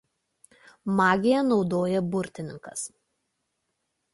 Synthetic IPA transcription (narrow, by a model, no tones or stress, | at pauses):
mɑːɡʲɪjɛnɒʊd̪oːjɛbʊɾʲt̪ʲɪnʲɪŋkɐ̰s